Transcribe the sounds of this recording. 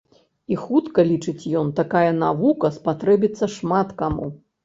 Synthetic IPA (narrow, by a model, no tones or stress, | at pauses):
ixut̪kɐlʲit͡ʂɨt͡sʲjɔnt̪akajɐnavukɐspat̪ɾɛbʲit̪sːɐʂmat̪kamṵ